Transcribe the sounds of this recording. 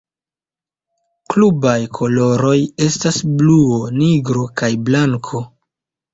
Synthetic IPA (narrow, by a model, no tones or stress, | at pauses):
klubajkʰo̞lo̞ɾo̞je̞stasbluoniɡɾo̞kajblaŋkʰo̞